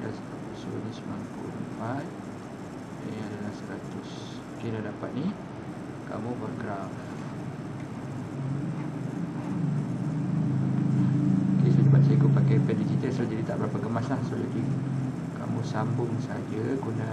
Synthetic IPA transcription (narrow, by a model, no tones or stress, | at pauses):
daspat̪uso̰nismampṵmə̰nfat | ãadalahsəɾat̪ʊs | kinadapat̪̚ni | ka̰mũbaʔɡɾaf | okesadubat̪̚saikʊʔpakajpɛdit͡ʃit̪əsad͡ʒadit̪a̰ʔbəɾapəɡəmaslahsoladi | ka̰mũsambʊŋsad͡ʒəkuna